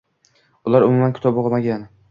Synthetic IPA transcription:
ʊlaɾʊmʊmankʰʊ̥t̪ʰɒboʁɑmaɡʲan

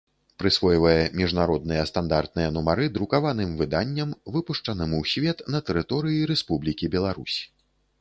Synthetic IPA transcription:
pɾɨsvɔjvɐjɛmʲiʐnaɾɔd̪nɨjɐst̪and̪art̪̚nɨjɐnumaɾɨd̪ɾukavanɨmvɨd̪anʲːɐmvɨpuʂt͡ʂɐnɨmwsʲvʲɛt̪nɐt̪ɛɾɨt̪ɔɾɨjiɾɛspublʲikʲibʲɛlˠaɾusʲ

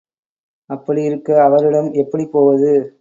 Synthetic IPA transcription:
ɐpːɐɽijɪɾɯkːɐːʋɐɾɪɽɐmɛpːɐɽipoːʋɐðɯ

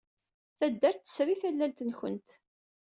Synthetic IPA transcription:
θæd̪ːæɾt̪ːə̥sɾiθælːælt̪ənçə̰nt̪

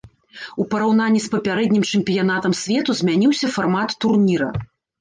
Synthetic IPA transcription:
upɐɾawnanʲːispɐpʲaɾɛd̪ʲnʲimt͡ʂɨmʲpʲijan̪at̪ɐmsʲvʲɛt̪uzʲmʲanʲiwsʲɐfarmat̪ːurnʲiɾɐ̰

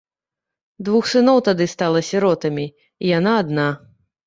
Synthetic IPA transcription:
d̪vuxsɨnɔwt̪ad̪ɨst̪alˠɐsʲiɾɔt̪ɐmʲi | ijanaːd̪na

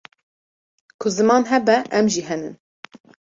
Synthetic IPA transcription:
kʰʊzɨmɑːnɦɛbɛʔɛmʒiɦɛnɨn

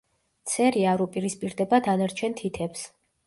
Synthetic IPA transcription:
t̪sʰɛɾiaɾupʼiɾispʼiɾd̪ɛbad̪anaɾt͡ʃʰɛnt̪ʰit̪ʰɛps

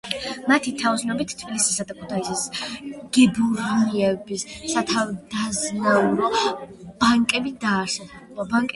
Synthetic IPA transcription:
mat̪ʰit̪ʰaɔsnɔbit̪ʰt̪ʰb̥ilisisad̪akʰu̥t̪ʰaisisɡ̥ɛbuɾniɛbisːat̪ʰavd̪aznauɾɔb̥aŋkʼɛbid̪aːsaɔbaŋkʼ

